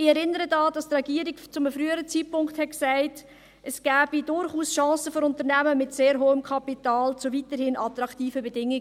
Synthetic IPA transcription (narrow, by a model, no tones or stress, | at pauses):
ɪɛɾɪnəɾədɑːd̥ɑstɾɛɡ̥iːəɾɪkt͡sʊməfɾyːəɾət͡siːt̚pʊŋkthɛt̚ksaɪt | əsɡ̥æːb̥idʊɾχuːsʃɑ̃ːsəfɔɾʊntəɾnæməmɪtseːɾɦoːəmkʰɑpitɑːlt͡sʊvitəɾhɪnʔɑtɾɑktiːfəbedɪŋɪ